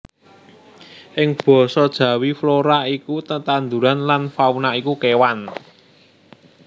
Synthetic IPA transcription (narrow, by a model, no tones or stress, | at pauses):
ʔɪŋb̥ɔ̤sɔd̥ʒ̥ä̤wifloɾaikut̪ət̪and̪uɾanlanfaunaikukewan